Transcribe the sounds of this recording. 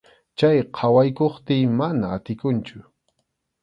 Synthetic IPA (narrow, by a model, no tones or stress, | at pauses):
t͡ʃajqʰɑwajkoχt̪ɪːmanaːt̪ɪkʊnt͡ʃʊ